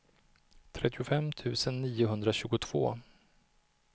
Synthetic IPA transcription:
t̪ʰɾɛt̪ːɪʊfɛmːt̪ʰʉ̟ːsənːiːʊɦɵnd̪ɾaɕʉ̟ːɡʊt̪ʰv̥o̰ː

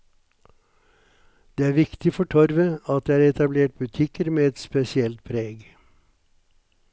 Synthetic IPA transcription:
d̪̥eːæːɾʋɪkt̪ɪfɔʈʰɔɾʋəɑt̪̚d̪eːæːɾɛt̪ɑbleːʈ̚bʉt̪ʰɪkəɾmeːɛt̪spɛsɪɛlt̪̚pʰɾeːɡ

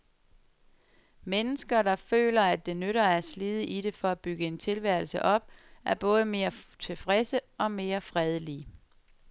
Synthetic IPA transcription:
menəsɡ̥ɐd̥ɑ̈fø̰ːlɐæd̥̚ːe̝nøɾɐæɐsliðˠəʔiɾe̝fɒ̽æb̥yɡ̥əe̝nt͡sʰe̝lʋæɐ̰l̩sə̰ʔɒ̽b̥̚æɐb̥ɔ̽ːð̞ˠəme̝ːɐt͡sʰe̝fʁesəɒ̽me̝ːɐfʁɛð̞ˠəliː

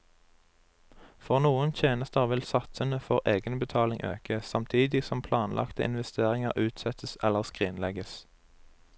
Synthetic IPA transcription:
fɔʁnuːənt̪ʰjeːnəst̪əʁʋɪlsɑt̪sənəfɔʁʔeːɡənbət̪ʰɑːlɪŋʔø̰ːkəsɑmt̪ʰiːd̪ɪsɔmpʰlɑːnlʔɑ̰kt̪əɪ̰nʋɛst̪eːʁɪŋəʁʔʉːt̪sɛt̪əsɛləʁskʁiːnlɛɡəs

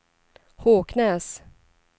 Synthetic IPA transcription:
hoːkʰnɛːs

